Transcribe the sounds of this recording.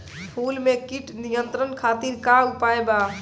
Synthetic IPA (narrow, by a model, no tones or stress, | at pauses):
pʰulmekiʈnijənt̪ɾənkʰat̪iɾkaupaeba